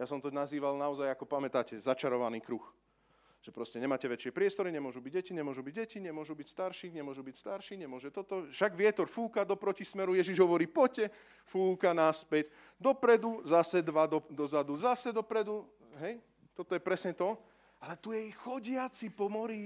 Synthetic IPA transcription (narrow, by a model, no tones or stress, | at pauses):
jasɔmt̪ɔnaziːʋalnaɔzajakɔpamɛt̪aːcɛzat͡ʃaɾɔʋaniːkɾux | ʒ̥ɛpɾɔscɛɲɛmaːcɛʋɛt͡ʃɪɛpɾɪɛst̪ɔɾiɲɛmʊɔʒubiɟɟɛciɲɛmʊɔʒubiɟɟɛciɲɛmʊɔʒubicst̪aɾʃiɲɛmʊɔʒubicst̪aɾʃiɲɛmʊɔʒɛt̪ɔt̪ɔfʃaɡʋɪɛt̪ɔɾfuːkad̪ɔpɾɔcismɛɾujɛʒiʒɦɔʋɔɾiːpɔcɛ | fuːkanaspɛɟ | d̪ɔpɾɛd̪uzasɛd̪ʋad̪ɔd̪ɔzad̪uzasɛd̪ɔpɾɛd̪u | ɦɛj | t̪ɔt̪ɔjɛpɾɛsɲɛt̪ɔ | alɛt̪ujɛjxɔɟɪat͡sipɔmɔɾi